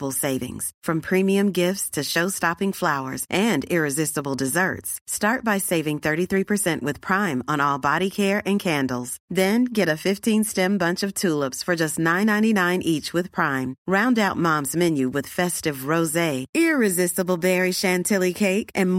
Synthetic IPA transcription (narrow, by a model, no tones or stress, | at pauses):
bl̩ˠseɪvɪ̰̃ŋz̥fɹʌ̃mpʰɹ̥ĩmiɨ̃mɡɪftstʰɨʃoʊstɑpɪ̃ŋflaʊə̰˞zʔɨ̃nɪɹɨzɪstəbl̩ˠdɨzɜ̰˞tstɑɹt̚b̥aɪseɪvɪ̃ŋθɜ˞ɾiθɹipʰə˞sɛ̃nʔwɨð̥pʰɹ̥ãɪ̃mə̃nɔlˠbɑɾikʰɛɹɨ̃nkʰæ̃ndˡl̩ˠz̥ðɨ̃nɡɛɾɨfɪftʰĩnstɛ̃mbʌ̃nt͡ʃʌv̥tʰulˠəpsfə˞d͡ʒʌstⁿnãɪ̃nãɪ̃ñinãɪ̃nʔit͡ʃwɨð̥pʰɹ̥ãɪ̃mɹãʊ̃ndaʊt̚mɑ̃mzmɛ̃njʉwɨð̥fɛstɨvɹoʊzeɪɪɹɨzɪstəbl̩ˠbɛɹiʃæ̃ntʰɪlˠikʰeɪkʔɨ̃n